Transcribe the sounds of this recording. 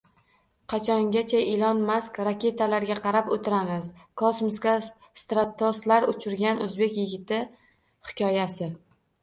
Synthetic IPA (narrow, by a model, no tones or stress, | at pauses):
qʰɑt͡ʃʰɒŋɡʲat͡ʃʰaʔɪlɒnmaskʲɾakʲe̞t̪ʰalaɾɡʲaqʰɑɾapot̪ʰɪɾamɪzkʰɒsmʊskʲa | st̪ɾat̪ʰːɒslaɾʊt͡ʃʰʊɾɡʲanɵzbe̞kʲjɪɡʲɪt̪ʰɪ | hɪ̥kʲʰɒjasɪ